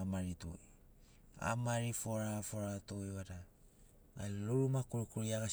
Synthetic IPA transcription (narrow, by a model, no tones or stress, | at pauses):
maɾitui | a̰maɾifoɾafoɾatuiwada | aluɾumakuɾukuɾiaɡa